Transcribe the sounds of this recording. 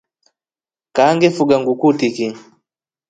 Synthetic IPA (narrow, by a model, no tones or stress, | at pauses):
kaŋɡɛfuɡaŋɡukutiki